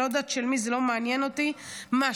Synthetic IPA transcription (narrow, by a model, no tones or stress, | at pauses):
od̪at̪ʃelmizelomanjɛnot̪ima